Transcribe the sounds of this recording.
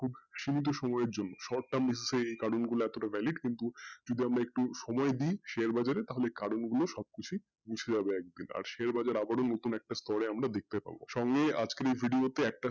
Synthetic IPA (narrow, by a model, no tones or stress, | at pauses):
kʰubʃimit̪̬oʃɔmɔeeɾd͡ʑonːoʃɔɾʈʈambise̥seejkaɾonɡuloɛt̪oʈavʱɛliɖkint̪ud͡ʑod̪iamɾaek̚ʈuʃɔmɔed̪iːʃeaɾbad͡ʑaɾet̪aɦolekaɾonɡuloʃɔb̚kit͡ɕʰi | ɡud͡ʑʰed͡ʑabeɛk̚d̪ina̰ɾʃeaɾbad͡ʑaɾabaɾonot̪unɛk̚ʈast̪ɔɾeamɾad̪ek̚t̪epa̰bo̰ʃɔŋɡea̰d͡ʑkeɾejbʱiɖiot̪eɛk̚ʈa